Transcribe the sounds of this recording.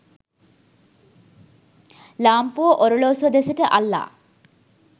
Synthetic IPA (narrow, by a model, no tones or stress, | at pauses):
laːmpuoʔoɾoloːsuɐd̪esəʈəʔalːa̰ː